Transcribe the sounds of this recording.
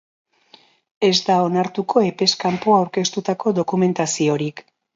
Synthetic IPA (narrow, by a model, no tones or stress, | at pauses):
e̞zd̪ao̞naɾt̪uko̞e̞pe̞skampo̞awɾke̞st̪ut̪ako̞d̪o̞kume̞nt̪asio̞ɾik